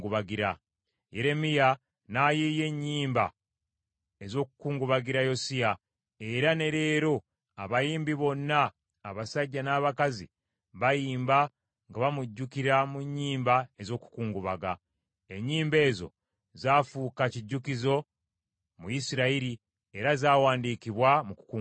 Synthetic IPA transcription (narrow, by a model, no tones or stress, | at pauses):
ɡuβaɡiɾa | je̞ɾe̞mija | najeje̞ɲːiːmba̰ | e̞zo̞ːku̥kuːŋɡuβaɡiɾajo̞sija | e̞ɾane̞ɾe̞ːɾo̞ | aβajiːmbiβo̞nːaː | βasaɟːanaːβakazḭ | βajiːmba | ŋɡaβamuɟːukiɾamuɲːiːmbae̞zo̞ːku̥kuːŋɡuβaɡa | e̞ɲːiːmbe̞ːzo̞̰ | zaːfuːkaciɟːukizo̞ | mujisiɾaiɾi | e̞ɾazaːwaːndiːkiβwamuku̥ku